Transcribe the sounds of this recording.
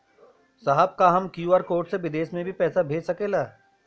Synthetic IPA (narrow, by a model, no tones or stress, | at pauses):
sɐɦəb̚kaɦɐmkjuaːɾkoːɾʈseʋɪd̪eːʃmẽbʱipɛːsabʱeːd͡ʒsɐkeːlaː